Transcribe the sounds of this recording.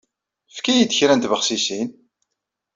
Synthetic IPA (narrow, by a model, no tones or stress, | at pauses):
fkæjid̪çɾænt̪vəχsisin